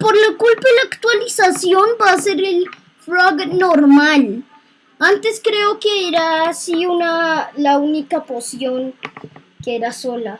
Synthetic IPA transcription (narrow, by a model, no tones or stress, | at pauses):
poɾlakulpaelaːkt̪walisasjonbaseɾel | flaɡnoɾmal | ant̪eskɾeokeeɾasiunalaunikaposjoŋ | keeɾasola